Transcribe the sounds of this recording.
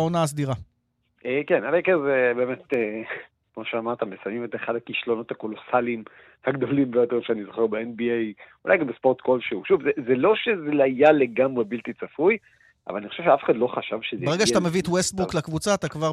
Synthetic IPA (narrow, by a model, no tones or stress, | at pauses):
onaːs̬d̪iʁa | ekenalejkezebe̞ːmet̪e | kmo̞ʃeamaʁt̪embesamimeteχad̪akiʃlo̞no̞t̪hako̞lo̞salim | haɡd̪o̞limvejot̪eʁʃeanizoχeʁbeenbiejula̰jɡambespoʁt̪kolʃeuʃuvzezelo̞ʃezeajaleɡamʁebilt̪it͡safuj | ʔa̰valanixoʃevʃafe̥χad̪lo̞χaʃavʃezebeeɡaʃat̪ame̞viet̪west̚buklakvut͡saːt̪akvaʁ